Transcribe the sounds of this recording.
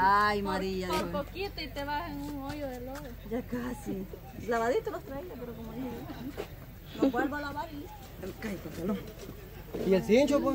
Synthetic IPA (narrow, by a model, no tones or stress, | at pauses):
ajmaɾiaðopokit̪oit̪eβaseŋuŋojoðeloɣod͡ʒakasi | laβaðit̪oβast̪ɾaiðapeɾokomoðiheɾamasi | lokwalβalaβaðit̪o̥kaitot̪eloŋ | iesint͡ʃopo